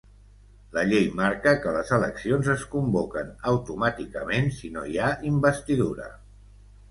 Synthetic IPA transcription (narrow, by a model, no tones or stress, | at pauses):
ləʎejmaɾkəkələzələksionzəskumbokənəwt̪umat̪ikəmensinojaʔimbəst̪iðuɾə̰